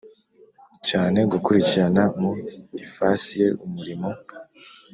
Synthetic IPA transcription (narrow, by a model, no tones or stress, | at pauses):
caːne̞ɡukuɾiciɾanamuifaːsije̞ʔumuɾimo̞